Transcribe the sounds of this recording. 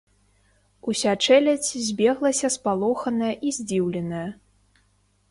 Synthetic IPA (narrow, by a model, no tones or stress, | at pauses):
usʲat͡ʂɛlʲɐt͡sʲzʲbʲɛɣlˠɐsʲɐspalˠɔxɐnɐjɐʔizʲd͡zʲiwlʲɛnɐjɐ